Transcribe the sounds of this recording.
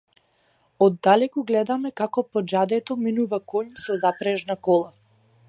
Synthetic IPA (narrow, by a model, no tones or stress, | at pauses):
ɔd̪ːalɛkuɡlɛd̪amɛkakɔpɔd͡ʒad̪ɛt̪ɔminuvakɔɲsɔzapɾɛʒnakɔlˠa